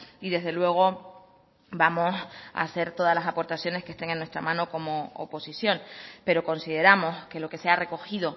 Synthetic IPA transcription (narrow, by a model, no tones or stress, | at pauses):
iðe̞zðe̞lwe̞ɣ̞o̞ | bamo̞sa̰se̞ɾt̪o̞ðazlasapo̞ɾt̪aθjo̞ne̞ske̞st̪e̞ŋenːwe̞st̪ɾamãnoko̞mo̞̰ːpo̞sisjo̞ŋpe̞ɾo̞ko̞nsið̞e̞ɾamo̞ske̞lo̞ke̞seare̞ko̞xiðo̞